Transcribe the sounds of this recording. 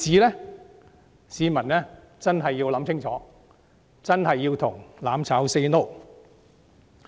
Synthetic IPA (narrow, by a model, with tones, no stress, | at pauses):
t͡siː˨˥lɛː˥ | siː˨˧mɐ˨˩nɛ˥ | t͡sɐ˥nɦɐ˨jːiː˧wlɐ˨˥msʰɪ˥ŋt͡sʰɔː˨˥ | t͡sɐ˥nɦɐ˨jːiː˧wt̪ʰʊ˨˩ŋlaː˨˥mt͡sʰaː˨˥wse˧no˥w